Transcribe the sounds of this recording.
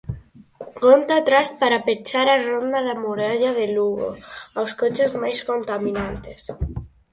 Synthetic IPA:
ɡont̪at̪ɾaspaɾapet͡ʃaɾarond̪aðamuɾaʎaðeluɣo̰awskot͡ʃezmajskont̪amĩnant̪es

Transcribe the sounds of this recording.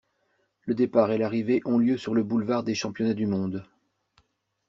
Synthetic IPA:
ləd̪epaʁelaʁiveʔɔ̃ljøsyʁləbulvaʁd̪eʃɑ̃pjɔnad̪ymɔ̃d̪

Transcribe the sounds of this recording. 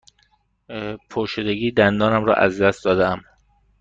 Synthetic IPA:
pʰoʃed̪eɡiːd̪ænd̪ɒːnæmɾɒ̰ːʔæ̰zd̪æst̪̚d̪ɒːd̪eæm

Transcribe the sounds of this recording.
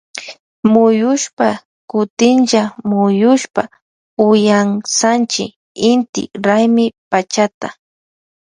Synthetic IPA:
mʊjʊʃpa | kʊt̪ɪnʒamʊjʊʃpa | ʊjaŋsant͡ʃɪ | ɪnt̪ɪ̰ɾajmɪpat͡ʃat̪a

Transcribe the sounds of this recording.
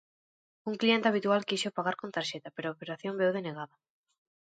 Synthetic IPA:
uŋklient̪eaβ̞it̪ualkiʃopaɣaɾkont̪aɾʃet̪apeɾʊaopeɾaθjombewðeneɣaða

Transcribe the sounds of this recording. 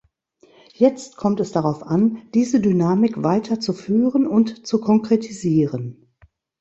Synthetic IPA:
jɛt͡st̚kʰɔmtɛsd̥aʁaʊfʔand̥iːzədynaːmɪkv̥aɪtʰɐt͡sufyːʁənʊntt͡sukʰɔŋkʁ̥etʰiziːʁən

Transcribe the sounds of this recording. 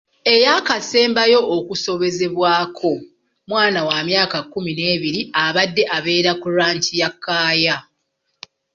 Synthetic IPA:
e̞jakase̞ːmbajo̞ʔːkuso̞βe̞ze̞βwaːkʰo̞ | mwaːnawamjaːkakːumine̞ːβiɾiaβadːe̞ʔaβe̞ːɾakuɾaːntijakːaːja

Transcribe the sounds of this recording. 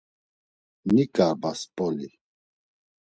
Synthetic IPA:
nikʼabaspʼɔli

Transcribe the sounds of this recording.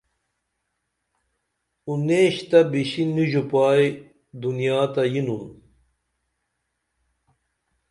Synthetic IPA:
uneːɕt̪ɐbiɕinːiʑupaːj | d̪unjaːt̪ɐjinun

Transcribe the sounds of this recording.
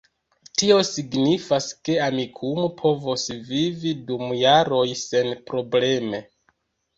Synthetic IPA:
tio̞siɡnifaske̞amikʰumopʰo̞vosvividumjaɾo̞jse̞npɾo̞ble̞me̞

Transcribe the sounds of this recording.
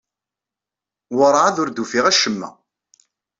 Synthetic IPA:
wəɾˤʕaðʊɾd̪ufiʁæʃəmːæ̰

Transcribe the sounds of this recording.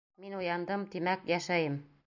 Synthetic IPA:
minujɑnd̪ɤmt̪imækjæʃæjɘm

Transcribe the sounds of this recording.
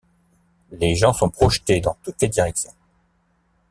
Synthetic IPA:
leʒɑ̃sɔ̃pχɔʃt̪ed̪ɑ̃t̪ut̪led̪iʁɛksjɔ̃

